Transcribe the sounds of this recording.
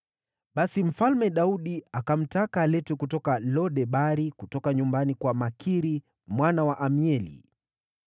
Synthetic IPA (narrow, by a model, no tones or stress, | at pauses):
ɓasim̩falmɛɗauɗiakam̩takaːlɛtwɛkutɔkalɔɗɛɓaɾikutɔkaɲumbanikwamakʰiɾi | mwanawaʔamiɛlḭ